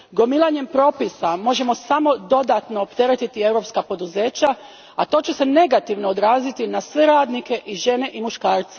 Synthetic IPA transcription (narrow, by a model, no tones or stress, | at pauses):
ɡo̞milˠaɲe̞mpɾo̞ːpisamo̞ʒe̞mo̞samo̞d̪o̞d̪at̪no̞ːpt̪e̞ɾet̪it̪ie̞wɾo̞pskapo̞d̪uze̞ːt͡ɕa | at̪o̞t͡ɕuse̞ne̞ɡat̪iʋno̞od̪ɾaːzit̪inasʋe̞ɾaːd̪nike̞ʔiʒe̞ne̞ʔimuʃkaːɾt̪se